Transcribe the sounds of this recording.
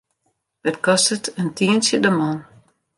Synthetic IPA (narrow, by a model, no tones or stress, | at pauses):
ʋətkɔstətəntʰiənsjədəmɔn